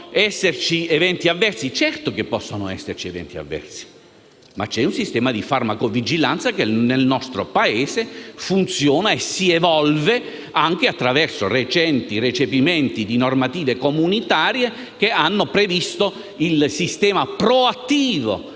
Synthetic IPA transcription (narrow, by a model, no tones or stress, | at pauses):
ɛsːert͡ʃievɛnt̪iavːɛrt̪sit͡ʃɛrt̪ok̟epːɔsːonoɛ̰sːert͡ʃiɛvɛ̰nt̪ia̰vːɛ̰rsi̥ | ma̰t͡ʃːɛunsist̪ɛːmad̪ifarmakovid͡ʒilant̪sakenelnɔst̪ɾopaeːsefunt̪sjɔːnaesːievɔlve | aŋk̟eat̪ːɾavɛrsoret͡ʃɛnt̪iret͡ʃepimɛnt̪id̪inormat̪iːvekomunit̪aːɾje | keanːopɾevist̪o | ilsist̪ɛːmapɾoat̪ːiːvo̰